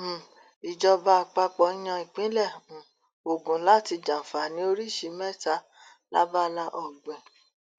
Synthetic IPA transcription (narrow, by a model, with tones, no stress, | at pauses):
i˨d͡ʒɔ˧ba˧a˧k͡pa˧k͡pɔ˨˦i˦j̃ã˧ĩ˨k͡pĩ˨˦lɛ̃˦˨ | o˨ɡũ˨˦la˦ti˧d͡ʒã˨fa˨nĩ˨˦o˧ɾi˦˨ʃi˧˦mɛ˦˨ta˧˦ | la̰˦ba˦la˧ʔɔ˨ɡ͡bɛ˨